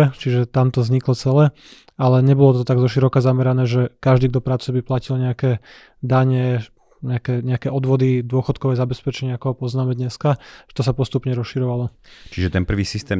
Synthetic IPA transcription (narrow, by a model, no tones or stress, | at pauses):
ɛt͡ʃiʒɛt̪amt̪ɔzɲiklɔt͡sɛlɛː | alɛɲɛbɔlɔt̪ɔt̪aɡzɔʃiɾɔkazamɛɾanɛːʒɛkaʒd̪iːɡ̚d̪ɔpɾaːt͡subiplacilɲɛakɛː | d̪aɲɛ | ɲɛakɛːɲɛakɛːɔd̪ʋɔd̪id̪ʊɔxɔt̪̚kɔʋɛːzabɛspɛt͡ʃɛɲɪɛakɔɦɔpɔznaːmɛd̪ɲɛskaʒ̥ɛt̪ɔsapɔst̪upɲɛɾɔsʃiɾɔʋalɔt͡ʃiʒɛt̪ɛnpr̩ʋiːsist̪ɛː